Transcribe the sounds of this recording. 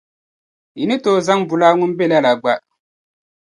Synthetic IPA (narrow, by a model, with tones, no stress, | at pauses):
i˨nɪ˦toː˦˨za˦ŋbʊ˨laː˦ŋʊ˦n˦bɛ˦la˦la˨ɡ͡ba˦